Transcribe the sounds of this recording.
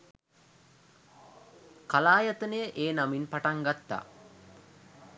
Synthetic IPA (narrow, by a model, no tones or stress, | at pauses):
kalaːjat̪ənəjəʔeːnaminpaʈaŋɡat̪ːa̰